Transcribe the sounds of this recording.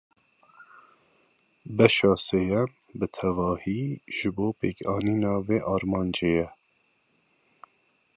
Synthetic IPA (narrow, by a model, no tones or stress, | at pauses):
bɛʃɑːsejɛm | bɨt̪ʰɛvɑːhiːʒ̥ɨboːpeːkɑːniːnɑːveːʔɑːɾmɑːnd͡ʒeːjɛ